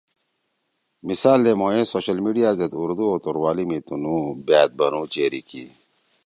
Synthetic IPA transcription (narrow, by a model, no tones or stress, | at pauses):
misaːld̪emoːẽsoːɕɐlmiɖijaːzet̪uɾd̪uoːt̪uɾwaːlimit̪unũːbjaːt̪̚bɐnũːt͡ɕeːɾikḭ